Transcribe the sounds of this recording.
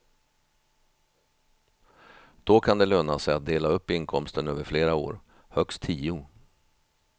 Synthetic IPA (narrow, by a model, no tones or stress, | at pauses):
d̪̥ɔkʰand̪ɛløːnasɛjat̪̚d̪eːlaɵpːɪnkʰɔmst̪ənøːvəɾfleːɾao̰ːɾ | hœkst̪ʰːiːʊ